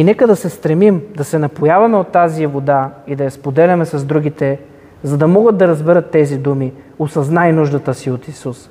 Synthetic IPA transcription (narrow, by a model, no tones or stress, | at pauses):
inɛkəd̪ɐsɛst̪ɾɛmimd̪ɐsɛnɐpojavɐmɛot̪ːazivod̪aid̪ɐjɐspod̪ɛlʲɐmɛsɐzd̪ɾuɡ̟it̪ɛ | zɐd̪ɐmɔɡəd̪̚d̪ɐɾɐzbɛɾət̪ːɛzid̪umi | osɐznajnuʒd̪ɐt̪əsiot̪isus